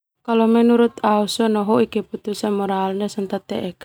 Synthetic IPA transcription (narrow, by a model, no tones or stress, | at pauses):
kalɔmɛnuɾut̪ausɔnɔɦɔikɛput̪usanmɔɾaːlnɛsɔnt̪at̪ɛʔɛk